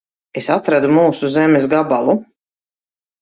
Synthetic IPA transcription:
esat̪ɾad̪umuːsuzɛmɛs̬ɡabalˠu

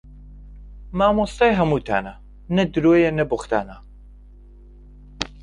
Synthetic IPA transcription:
maːmost̪aːjɦɐmut̪ʰa̰ːna | nɐd̪ɨɾojenɐbuχt̪a̰ːna

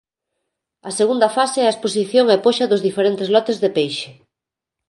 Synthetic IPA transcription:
ɐseɣund̪ɐfaseɛɐespos̬iθjoŋɛpoʃɐðʊzðifeɾent̪ɪzlɔt̪ezðepejʃe̥

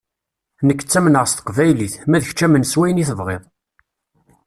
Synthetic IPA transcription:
nəkːə̥t͡sːæmnəʁst̪ə̥qvæjliθmæðəç̥t͡ʃːæmənswæjniθəvʁeðˤ

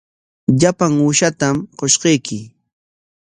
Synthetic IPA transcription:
ʎapaŋuːʃat̪amqoʃqejkɪ

